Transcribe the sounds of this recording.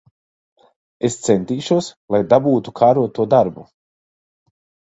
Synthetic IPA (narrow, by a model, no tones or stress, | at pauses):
est̪sent̪iːʃuɔslˠajd̪abuːt̪ukʰaːɾuɔt̪uɔd̪aɾbu